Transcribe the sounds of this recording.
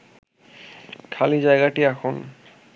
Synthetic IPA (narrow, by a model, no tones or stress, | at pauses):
kʰalizajɡatiaxʰʊn